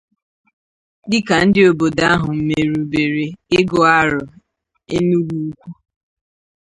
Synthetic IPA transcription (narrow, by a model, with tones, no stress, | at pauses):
dɪ˦ka˨n̩˦dɪ˦o˨bo˨da˦a˦ɦʊ˨m̩˦me˨ɾu˨be˨ɾe˨ɪ˦ɡɔ˨a˦ɾʊ˨ | ḛ˦nu˦wu˦u˦kʷu˦